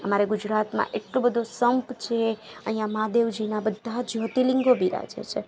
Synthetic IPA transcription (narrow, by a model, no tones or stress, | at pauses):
əmaɾeɡud͡ʒɾat̪mã̰ʔeʈlobəd̪ʱosəmpt͡ʃʰeəɦĩjãmad̪eʋd͡ʒinabəd̪ʱad͡ʒɔt̪iliŋɡobʱiɾa̰d͡ʒḛt͡ʃʰe